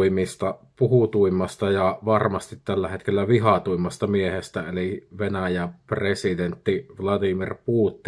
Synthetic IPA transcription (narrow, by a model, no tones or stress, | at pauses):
imist̪ɑpuhut̪uimːˑɑst̪ɑjɑʋɑrmɑst̪it̪t̪ælːæhet̪kelːæʋiɦɑt̪uimːˑɑst̪ɑmiehest̪æeliʋenæjæpresid̪ent̪ːiʋlɑd̪imirpuːt̪ːi